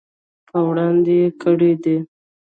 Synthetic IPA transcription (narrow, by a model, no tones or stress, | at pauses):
pʰəwɽɑnd̪ejekəɽed̪e